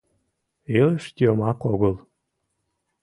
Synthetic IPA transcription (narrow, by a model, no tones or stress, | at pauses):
eləʃt̪ʲiomɑkoɣəlˠ